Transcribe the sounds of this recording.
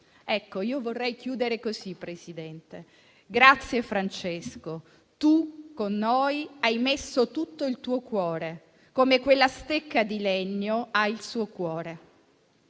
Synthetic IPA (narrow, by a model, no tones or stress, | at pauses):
ɛkːoiːovorːɛjk̟juːd̪eɾekozipːɾesid̪ɛnt̪e | ɡɾat̪sːjefɾant͡ʃesko | t̪ukonːojajmesːot̪ut̪ːoilt̪uːokwɔːɾe | komekwelːast̪ekːad̪ilɛɲːoailsuːokwɔːɾe